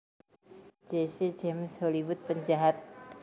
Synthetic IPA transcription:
d͡ʒesed͡ʒemsholiwʊt̪̚pəɲd͡ʒaɦat̪̚

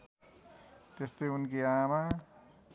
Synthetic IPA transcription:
t̪est̪ojunkiama

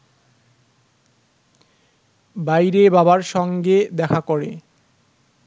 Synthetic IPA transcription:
bajɾebabaɾʃɔŋɡed̪ɛkʰakoɾḛ

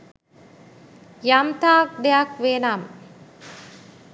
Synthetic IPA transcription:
jamt̪aːk̚d̪ejakʋenam

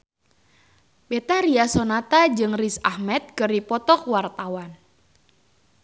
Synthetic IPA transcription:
bet̪aɾiasonat̪ad͡ʒɨŋrisahmɛt̪̚kɨripɔt̪ɔkwart̪awan

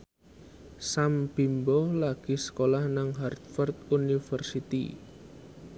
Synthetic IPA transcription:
sambimbolaɡ̥i̤sə̥kolahnaŋɦart̪̚fərt̪unifərsit̪ḭ

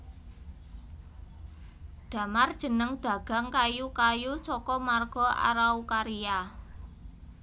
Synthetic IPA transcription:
d̪̥ä̤mard̥ʒ̥ə̤nəŋd̪̥ä̤ɡ̥a̤ŋkajukajut͡ʃɔkɔmarɡ̥ɔ̤ʔa̰ɾaukaɾija

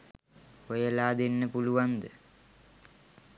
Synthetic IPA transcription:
ojəlaːd̪enːəpuluʋand̪ə

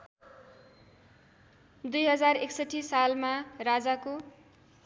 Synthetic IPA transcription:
d̪ujɦʌd͡zareksʌʈʰːisalmarad͡zako

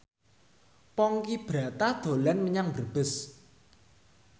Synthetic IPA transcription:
pɔŋkib̥ɾa̤t̪ad̪̥o̤lanməɲaŋb̥ərb̥ə̤s

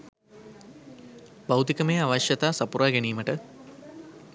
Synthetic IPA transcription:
bawt̪ikəmejaʋaʃjɐt̪aːsapuɾaːɡɛniːməʈə

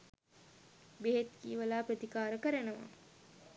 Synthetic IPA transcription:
beɦet̪kiːʋɐlaːprɐt̪ikaːɾəkəɾɐnəʋa̰

